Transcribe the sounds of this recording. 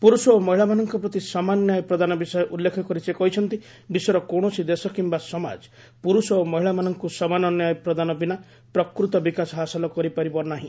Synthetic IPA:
puɾusɔomɔɦiɭamanɔŋkɔpɾɔt̪isɔmanjajpɾɔd̪anɔbisɔjɔʔulːekʰɔkɔɾisekɔɦit͡ʃʰɔnt̪i | bisɔɾɔkoɽ̃ɔsid̪esɔkimbasɔma̰d͡ʒ | puɾusɔomɔɦiɭamanɔŋkusɔmanɔnjajpɾɔd̪anɔbina | pɾɔkɾut̪ɔbikasɔɦasɔlɔkɔɾipaɾibɔnaɦĩ

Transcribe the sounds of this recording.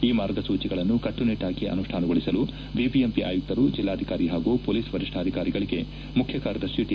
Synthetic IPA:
iːmaːɾɡɐsuːt͡ʃiɡɐɭɐnːukɐʈːuniʈːaːɡiʔɐ̰nuʂʈʰaːnɐɡoɭisɐlu | bibiempiʔa̰ːjuk̚t̪ɐɾud͡ʒilːaːd̪ʱikaːɾiɦaːɡuːpoːliːsʋɐɾiʂʈʰaːd̪ʱikaːɾiɡɐɭiɡe̞ | mukʰjɐkaːɾɐd̪ɐʃjuʈ̪ː

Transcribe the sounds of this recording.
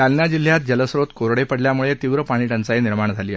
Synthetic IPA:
alnjad͡ʑil̤ːjat̪̚d͡ʑələsɾot̪koɾɽepəɽljamuɭet̪iʋɾəpaɽ̃iʈənt͡sainiɾmaɳd͡zʱaliː

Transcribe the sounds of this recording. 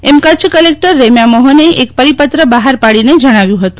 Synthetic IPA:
emkət͡ʃʰkəlek̚ʈəɾːemjamoɦəneʔek̚pəɾipət̪ɾəbaɦaɾpaɭined͡ʒəɽ̃aʋjũɦət̪ũ

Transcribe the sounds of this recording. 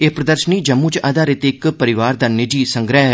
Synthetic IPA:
epɾəd̪əɾʃəniːd͡ʒəmːuːt͡ʃad̪aːɾɪt̪ɪkpəɾɪʋaːɾd̪aːnɪd͡ʒiːsəŋɡɾɛɦ

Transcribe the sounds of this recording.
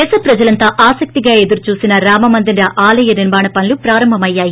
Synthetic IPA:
ɛːsɐpɾɐd͡ʒɐlɐnt̪aːʔaːsɐk̚t̪iɡaːe̞d̪uɾut͡ʃuːsinɐɾaːmɐmɐnd̪inɾɐʔaːlɐjɐniɾmaːɳɐpɐnlupɾaːɾɐmbʱɐmɐjːaːji

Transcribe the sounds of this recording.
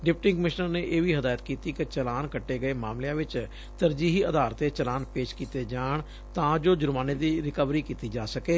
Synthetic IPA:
ɖɪpʈɪ̃ŋkəmɪʃnəɾneːʔeːʋiːɦəd̪aːjət̪kiːt̪iːkɪt͡ʃəlaːnkəʈːeːɡəeːmaːmlejãːʋɪt͡ʃ | t̪əɾd͡ʒiːɦiːəd̪aːɾt̪eːt͡ʃəlaːnpeːʃkiːt̪eːd͡ʒaːɳ | t̪ãːd͡ʒoːd͡ʒʊɾmaːneːd̪iːɾɪkəʋɾiːkiːt̪iːd͡ʒaːsəkeː

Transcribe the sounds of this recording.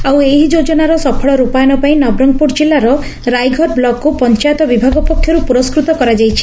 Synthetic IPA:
aweɦid͡ʒod͡ʒɔnaɾɔsɔpʰɔɭɔɾupajɔnɔpaĩnɔbɾɔŋɡ̚puɾd͡ʒilːaɾɔ | ɾajɡʱɔɾblɔkːupɔnt͡ʃajɔt̪ɔbibʱaɡɔpɔkʰːjɔɾupuɾɔskɾut̪ɔkɔɾad͡ʒajt͡ʃʰi̥

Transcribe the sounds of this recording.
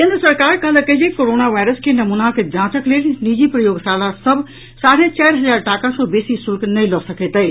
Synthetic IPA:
kẽnd̪ɾəsəɾkaɾkəɦələkəd͡ʒekoɾonaʋajɾəskenəmunaked͡ʒãt͡ʃəklelnid͡ʒipɾəjoɡsalasəbʱ | saɽ̤ẽt͡ʃaɾɦəd͡ʒaɾʈakasɔbesisulknəjlɔsəkɛt̪əj

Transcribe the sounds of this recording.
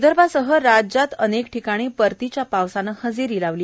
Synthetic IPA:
d̪əɾbasəɦəɾad͡ʑat̪ənekʈʰikaɽ̃iːpəɾt̪it͡ɕjapaʋsanəhəd͡ziɾiːlaʋliː

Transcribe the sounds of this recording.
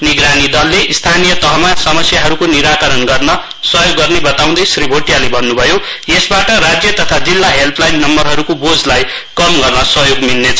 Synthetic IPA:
niɡɾanid̪ʌlːeʔist̪ʰanijʌt̪ʌɦʌmasʌmʌsjaɦʌɾukoniɾakʌɾʌnɡʌrnʌ | sʌɦjoɡːʌrnebʌt̪aw̃d̪ʌjsribʱoʈijalebʱʌnːubʱʌjo | jesbaʈʌrad͡zjʌt̪ʌt̪ʰad͡zilːaɦelpʰlajnːʌmbʌrɦʌɾukobod͡zlaj | kʌmɡʌrnʌsʌɦjoɡmilːet͡sʰ

